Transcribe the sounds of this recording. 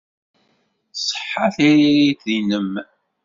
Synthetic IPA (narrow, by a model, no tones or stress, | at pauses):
sˤħːaθiɾiɾit̪ðinəm